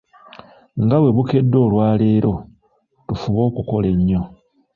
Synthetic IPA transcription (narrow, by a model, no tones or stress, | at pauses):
ŋɡawe̞βuke̞dːo̞ːlwaːle̞ːɾo̞ | tufuβo̞ːkuko̞le̞ɲːo̞